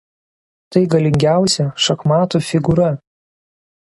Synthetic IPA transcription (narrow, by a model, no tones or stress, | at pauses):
t̪ɐɪɡɐlʲɪŋʲɡʲæˑʊsʲɛʃɐkmɑːt̪uːfʲɪɡʊɾɐ